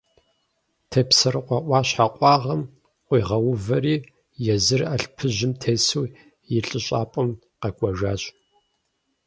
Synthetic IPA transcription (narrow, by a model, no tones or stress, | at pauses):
tʰeːpsɐrɨqʷɑʔʷʼɑːɕħaqʷʼɑːʁɐm | qʷiːʁɐwʊvɐɾiː | jɛzɨrɐɬpʰɨʑɪmtʰeːsuː | jɪɬʼɨɕʼaːpʼɐm | qɐkʷʼɔʒaːɕʼ